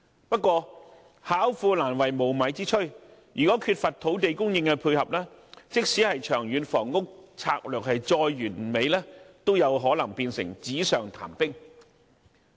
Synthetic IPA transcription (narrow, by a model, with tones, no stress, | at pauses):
pɐ˥t̚kːwɔː˧ | haː˨˥wfuː˧laː˨˩nwɐ˨˩jmo˨˩wmɐ˨˥jt͡siː˥t͡ʃʰɵ˥ | ɥyː˨˩kɔː˨˥kʰyː˧t̚fɐ˨t̚t̪ʰo˨˥wt̪̬e˨jkʊ˥ŋjɪ˧ŋkɛ˧pʰuː˧jhɐ˨p̚lɛː˥t͡sɪ˥k̚siː˨˥hɐ˨jt͡ʃʰœː˨˩ŋjyː˨˥nfɔː˨˩ŋːʊ˥k̚t͡sʰa̰ː˧k̚lœː˨k̚hɐ˨jt͡sɔː˧jɥyː˨˩nme˨˧jlɛː˥t̪o˥wjɐ˨˧wɦɔː˨˥lɐ˨˩ŋpiː˧nsɪ̰˨˩ŋt͡siː˨˥sœː˨ŋt̪ʰa̰ː˨˩mpɪ˥ŋ